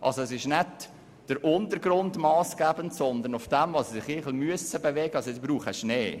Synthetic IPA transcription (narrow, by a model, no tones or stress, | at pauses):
ʔɑ̰lsoɛsɪʃnɛt | d̥əɾʔʊntəɾɡ̥ɾʊndmɑːsɡ̥æːb̥əntsɔnd̪əɾnʊfd̥ɛmvɑssɪχɪχl̩myəsəbevɛɡəɑsoɛsb̥ɾuːχəʃneː